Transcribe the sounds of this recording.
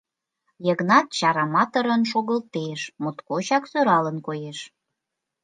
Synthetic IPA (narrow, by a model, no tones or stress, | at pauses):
jəɣnɑt̪̚t͡ɕɑɾɑmɑt̪əɾənʃ̬oɣəlt̪eʃmot̪kot͡ɕɑksøɾɑlənkojeʃ